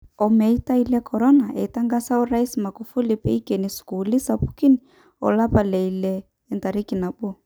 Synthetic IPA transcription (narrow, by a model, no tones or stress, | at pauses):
ɔmɛitailɛkʰɔɾɔnaʔɛitaŋɡasauɾaisimaɡufulipɛikɛnisi̥kuulisapu̥kini | ɔ̰lapalɛilɛː | ntaɾikinaɓu